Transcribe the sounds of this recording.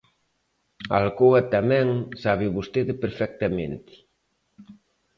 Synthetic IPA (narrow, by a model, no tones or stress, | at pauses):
a̰lkoɐt̪amɛ̃ŋsaβɪβost̪eðɪpeɾfɛk̚t̪amḛ̃nt̪ɪ̥